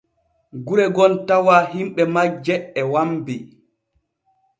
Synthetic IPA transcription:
ɡuɾɛɡɔntawaɦimɓɛmad͡ʒɛɛwambi

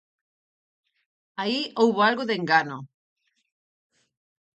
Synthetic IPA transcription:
aiowβoalɣoðeŋɡano

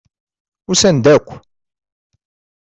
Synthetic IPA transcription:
ʊɾsænd̪ækʷː

